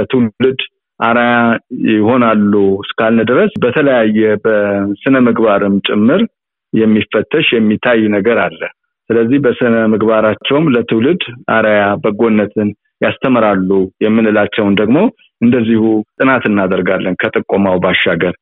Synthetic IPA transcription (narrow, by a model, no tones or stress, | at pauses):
t̪ʰɨwlɨd̪ | ʔaɾajaɪho̞nalːuskʰalnəd̪ɨɾəsbət̪ʰələjajːɛbəsɨnəmɨɡbaɾɨmt͡ʃʼɪmːɨɾ | jɛmːifːət̪ʰːəʃjɛmːit̪ʰajnəɡəɾalːəh | sɨləzːihbəsɨnəmɨɡbaɾat͡ʃːɛwmlət̪ʰɨwlɨd̪aɾajabəɡo̞nːət̪ʰɨn | jast̪ʰəmɾalːujɛmːɨnɨlat͡ʃːɛwnd̪əɡmo̞ | ʔɨnd̪əzːihut̪ʼɨnat̪ɨnːad̪əɾɡalːənkʰət̪ʼɨkʼːomawbaʃːaɡəɾ